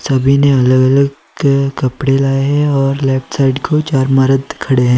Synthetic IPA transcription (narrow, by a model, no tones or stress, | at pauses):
sɐbʱineɐləɡɐləɡ | kɐpɽelaːeɦɛ̃ɔːɾlɛːp̚ʰʈsaːɪɖkʰot͡ʃaːɾmaɾəd̪kʰɐɽeɦɛ̃ː